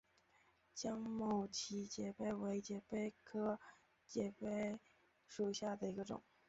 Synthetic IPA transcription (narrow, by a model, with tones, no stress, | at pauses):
t͡ɕjɑ˥ŋmo˥˩ʊt͡ɕʰi˧˥t͡ɕjɛ˨˩pe˥˩ɪwe˧˥ɪt͡ɕjɛ˨˩pe˥˩ɪkʰɤ˥ | t͡ɕjɛ˨˩pe˥˩ɪ | ʂu˨˩ɕja˥˩d̪ə˩i˧˥ɡə˧ʈ͡ʂʊ̰˨˩˦ŋ